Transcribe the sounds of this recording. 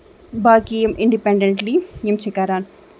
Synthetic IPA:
baːkiemɪɳɖipeɳɖeɳʈlijemt͡ʃʰikaɾaːn

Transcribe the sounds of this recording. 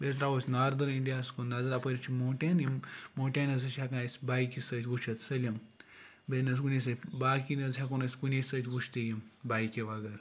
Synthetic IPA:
bes̬ɾaːʋosʲnaːɾd̪ɐɾiɳɖijaːskunɐzɐɾapɐɾʲit͡ʃʰimoːʈʲaːnimmoːʈʲaːnɐzɐt͡ʃʲakãsʲbaːjikisɐtʲʋut͡ʃʰɐt̪sɐlʲim | benɐs̬kunʲes̬ɐbaːkinɐzɦʲakonɐsʲkunʲesɐt̪ʲʋut͡ʃʰt̪ijimbaːjkʲiʋɐɡɐɾ

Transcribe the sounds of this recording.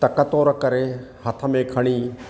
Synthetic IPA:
t̪ɐkət̪oːɾkɐɾeːhɐt̪ʰəmẽkʰɐɽ̃iː

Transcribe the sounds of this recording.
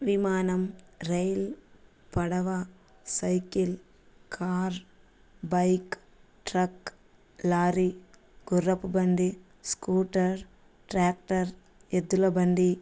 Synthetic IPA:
ʋimaːnɐmɾɐjl | pɐɽɐʋa | sɐjkil | kʰaːɾ | bɐjk | ʈɾɐk | laːɾi | ɡ̥ʊɾɐpːbɐnd̪i | skuːʈɐɾ | ʈɾaːk̚ʈɐɾ | ed̪ulɐbɐnd̪i

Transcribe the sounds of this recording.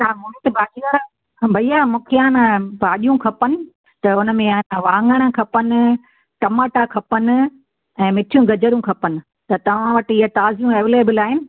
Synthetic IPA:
t̪aːɦumt̪ɪbʱaːd͡ʒiaɾa | bʱɐiaːmũːkʰeaːnabaːɗijũkʰɐpənɪ̆ | t̪ɐʊnə̆mẽanaʋãːŋɡəɽ̃ə̆kʰɐpənɪ̆ | ʈɐmaːʈakʰɐpənɪ̆ | ɛ̃ːmɪʈʰijũɡɐd͡ʑəɾjũkʰɐpənɪ̆ | t̪ɐt̪ɐʋ̤ãʋɐʈɪɦat̪aːzijũeːʋeleːbəlaːɦɪnɪ̆

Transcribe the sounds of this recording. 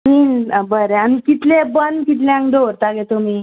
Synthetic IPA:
minbəɾeanikit̪lebənkit̪̬leãŋkɖʱoɾt̪aɡet̪omiː

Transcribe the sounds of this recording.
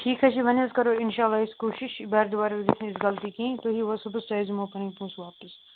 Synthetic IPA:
ʈʰiːkɦɐt͡ʃʰiʋɐnzkɐɾoːɪnʃaːlːaːɪskoːʃɪʃbɐːɾd̪ʊbaːɾeed͡ʒɪt̪ʰnẽɪsɡɐlt̪ikĩt̪oːɦiʋɐsʊbsaːzmoːpɐnĩpũːsʋaːpəs

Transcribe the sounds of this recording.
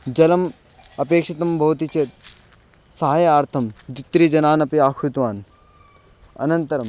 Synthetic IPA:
d͡ʒɐlɐm | ɐpeːkʂɐt̪ɐmbʱɐʋt̪it͡ʃeːt̪̚ | sɐɦaːjaːɾt̪ʰɐmd̪it̪ːɾid͡ʒɐnaːnɐpiaːkʰut̪ʋaːn | ɐ̰nɐnt̪ɐɾɐm

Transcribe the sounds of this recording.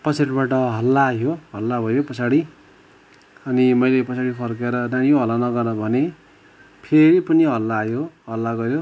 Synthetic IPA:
pʌsaɽibaʈʌɦʌlːajoɦʌlːabʱʌjopʌsaɽi | ʌnimʌjlepʌsaɽipʰʌrkeɾʌnajoɦʌlːanʌɡʌrnʌbʱʌne | pʰeɾipʌniɦʌlːajoɦʌlːaɡʌɾjo

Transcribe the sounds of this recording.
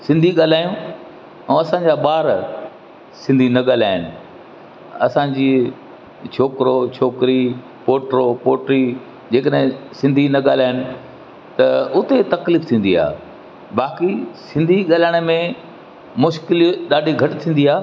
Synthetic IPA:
sɪ̃nd̪ʱiɠaːl̤aːjũ | ɛ̃ːɐsãɲd͡ʑaːɓaːɾ | sɪ̃nd̪ʱinɐɠaːlaːɪnɪ̆ | ɐsãːd͡ʑiː | t͡ɕʰoːkɾot͡ɕʰoːkɾi | poːʈɾopoːʈɾi | d͡ʑeːkəɗɦɪ̃sɪ̃nd̪ʱinɐɠaːl̤aːɪnɪ̆ | t̪ɐʊt̪et̪ɐkliːft̪ʰĩːn̆d̪ia̰ː | baːkisɪ̃nd̪ʱiɠaːlaːɽ̃ə̆mẽ | mʊʃkɪlɗaːɖʱiɡʱɐʈɪt̪ʰĩːn̆d̪iaː

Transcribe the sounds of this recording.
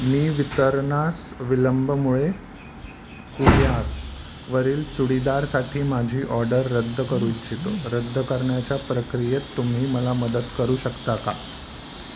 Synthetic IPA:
miːʋit̪əɾɳasʋiləmbʱəmuɭe | kuɽjas | ʋəɾiːlt͡suɽid̪aɾsaʈʰiːmad͡ʑʱiːʔɔɾɖəɾːəd̪ʱːəkəɾujit͡ɕit̪oɾəd̪ʱːəkəɾɳjat͡ɕjapɾəkɾijet̪ːum̤iːməlaməd̪əd̪kəɾuːɕəkt̪aka̰

